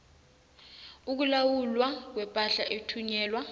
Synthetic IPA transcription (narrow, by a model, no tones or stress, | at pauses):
uk̬ulawulwak̬wɛpʼaɬaʔetʰuɲɛːlwa